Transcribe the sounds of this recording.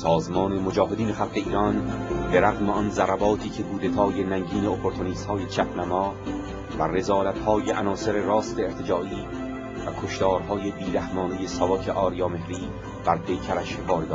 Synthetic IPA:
sɒːzmɒːne̞mod͡ʒɒːɦe̞d̪iːnexælɢe̞iːɾɒnbe̞ɾæɣmeɒnzæɾæbɒːt̪ʰiːcʰe̞ɡuːd̪e̞t̪ʰɒːje̞næŋɟiːne̞opʰoɾt̪ʰoniːst̪hɒːjet͡ʃʰæpʰnæmɒː | være̞zɒːlæt̪hɒːjeʔænɒːse̞ɾerɒːst̪eːɾt̪ʰed͡ʒɒːiː | vækʰoʃt̪ʰɒːɾɦɒːje̞biːɾæhmɒːne̞je̞sɒvɒːkʰe̞ʔɒːɾijɒːme̞hɾiː | b̥æɾpʰe̞jkʰæɾæʃkɒːɾd̪ɒː

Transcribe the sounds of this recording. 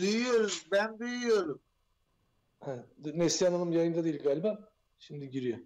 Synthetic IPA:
d̪yjyjo̞ɾumbænd̪yjyjo̞ɾum | ɛɛt̪nesijananɯmjajɯnad̪eilʲɡaːlʲibaː | ʃimd̪iɟiɾijo

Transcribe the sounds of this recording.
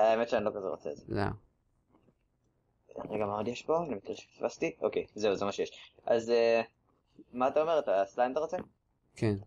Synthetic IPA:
aemet̪ʃeanilo̞kazeʁot͡seḛzela̰ | neɡamaodjeɛʃbo̞animit̪ilʃe̥svast̪iʔo̞kejze̞uzemaʃejeʃʔaze | maːt̪aome̞ʁetaslamat̪aʁot͡se | kʰen

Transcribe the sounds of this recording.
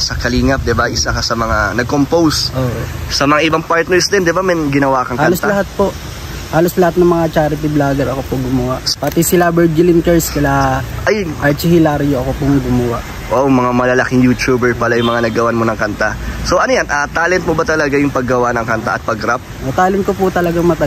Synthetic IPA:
sɐkɐliːŋɐp̚d̪ɪbaʔɪsakɐsɐmɐŋanɐɡ̚kompowsʔoːʔosɐmɐŋaʔɪbaŋpaɹt̪nɛɹsd̪ɛnd̪ɪbamɛnɡɪnɐwaːkɐŋhaɐloslɐɦat̪̚po̞ʔ | haːloslɐhat̪̚nɐŋmɐŋat͡ʃaːɾɪt̪̬iblaːɡɛɾɐkopʊɡʊmɐwaʔpɐt̪isɪlabɛɹd͡ʒɪlɪmkɛɹskɐlaʔʔɐjʔɐɹt͡ʃɪhɪlaɾjoʔɐkopʊŋɡʊmɐwaʔ | ʔoʔomɐŋamɐlɐlɐkɪŋjuːt͡ʃuːbɛɹpɐlajʊŋmɐŋanɐɡɐwanmonɐŋkɐnt̪asoʔɐnojanʔat̪aːlɛnt̪̚mobɐt̪ɐlɐɡajʊŋpɐɡːɐwanɐŋkɐnt̪a̰ʔɐt̪̚pɐɡɾap̚mɐt̪aːlɪn̚kopʊt̪ɐlɐɡaŋmɐt̪ɐ

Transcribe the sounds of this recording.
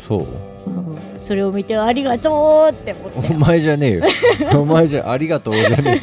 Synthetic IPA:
so̰ː | ɯ̃ | so̞ɾe̞omʲit̪e̞aɾʲiɡat̪oːt̪ːemoomaeʑane̞ːjoomaeʑaʔaɾʲiɡat̪o̞ːʑaneː

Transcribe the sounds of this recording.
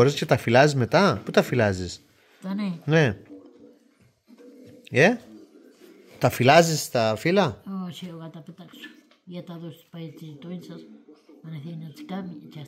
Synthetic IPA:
oɾiscet̪ɐfilɐzizmet̪ɐput̪ɐfilɐzis | t̪anene̞ | e | t̪ɐfilɐzist̪ɐfilɐosioɣat̪apet̪aksu̥ | jat̪aðost̪u̥pait͡s̪iit̪onsɐsɐneθenat͡si̥kamt͡ʃa

